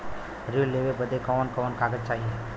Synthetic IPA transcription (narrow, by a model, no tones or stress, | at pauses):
ɾilːeʋebəd̪ʱekɔʋənkəʋənkaːɡət͡ʃaːɦie